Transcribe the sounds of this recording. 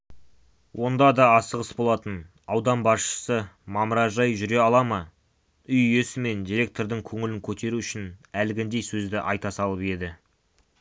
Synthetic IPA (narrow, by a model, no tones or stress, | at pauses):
wʔo̞nd̪ɑd̪ɑːsəʁəsbo̞lˠɑt̪ən | ɑwd̪ɑnbɑsʃə̥səmɑməɾɑʒɑjʒʏɾe̞ɑlˠɑmə | ʏjjesɪme̞nd̪ijɾʲe̞k̚t̪o̞ɾd̪əŋkʲʰɵŋɪlɪŋkʲʰɵt̪e̞ɾuʏʃɪnælɪɡʲɪnd̪e̞jsɵzd̪ɪʔɑjt̪ɑsɑlˠəpe̞d̪ɪ